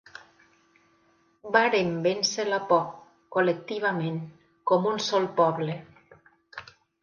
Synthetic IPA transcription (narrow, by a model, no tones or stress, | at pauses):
baɾembenselapɔ | kolek̚t̪iβ̞ameŋ | kɔmunsɔlˠpɔβle